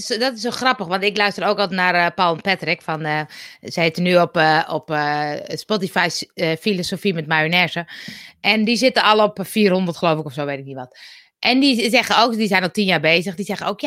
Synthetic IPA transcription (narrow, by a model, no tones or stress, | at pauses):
dɔtɪsoxrɑpəxʋɔntɪklœɥstəroːkɔlˠnarpalˠnpɛtrɪkfɔnsɛɪtənyɔpɔpspotifajsfilosofimɛtmajənɛsəʔɛndisɪtəɔlˠɔpfiərhondərtxəlowfɪkɔfsoːʋetɪk̚niʋɔt | ʔɛndizɛɣəoːkdisɛjnɔxtinjaːrbeːzəxdisɛɣənoːwkja